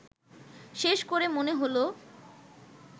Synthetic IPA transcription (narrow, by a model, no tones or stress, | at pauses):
ʃeʃkoɾemoneɦolo